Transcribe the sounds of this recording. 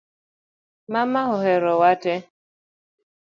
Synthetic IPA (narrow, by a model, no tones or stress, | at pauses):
mamahɔɦɛɾɔwatɛ